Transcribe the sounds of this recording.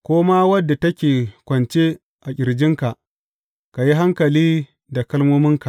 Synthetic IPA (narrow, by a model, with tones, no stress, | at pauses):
kʷoː˦ma˦wɐ˦dːa˨tɐ˦kʲeː˨kʷɐ˨nt͡ʃe˦ | ʔa˨kʲʼɪ˨ɾd͡ʒɪ˦ŋka˨ʔ | ka˨ji˦ɦa˦ŋkɐ˨liː˦ | da˨kɐ˦lmoː˦mɪ˦ŋka˨